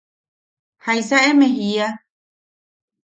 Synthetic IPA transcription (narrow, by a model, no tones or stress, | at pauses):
hajsaemẽɦia